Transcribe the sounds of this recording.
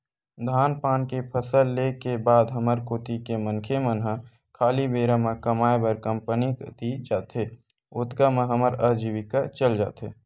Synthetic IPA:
d̪ʱaːnpaːnkepʰəsəlːekebaːd̪ɦəməɾkoːt̪ikemənkʰemənɦã | kʰaːlibeːɾamãkəmaːebəɾkə̃mpənikd̪id͡ʒaːt̪e | ʊt̪kamə̃ɦəməɾəd͡ʒiʋikat͡ʃəld͡ʒa̰ːt̪eː

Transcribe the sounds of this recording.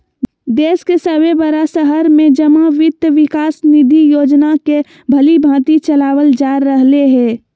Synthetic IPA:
d̪eːskesəwebəɾasəɦəɾmẽd͡ʒəmaʋɪt̪ʋɪkaːsnɪd̪ʱijoːd͡ʒnake | bʱəlibʱãːt̪it͡ʃəlaːwəld͡ʒaːɾːəɦleɦɛː

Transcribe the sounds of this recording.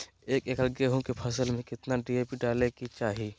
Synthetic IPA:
eːkeːkəɾɡeɦõkepʰɐsəlmẽkɪt̪naɖiːeːpiɖaːlekit͡ʃaːɦiː

